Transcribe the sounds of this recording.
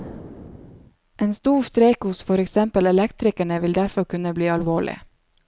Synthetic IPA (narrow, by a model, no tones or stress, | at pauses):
ʔeːnst̪uːst̪ɾeːkhʊsfɔɾɛksɛmpəlɛlɛkt̪ɾɪkæɳəʋɪld̪æɾfɔɾkʉnəbliːɑlʋoːɭɪ̰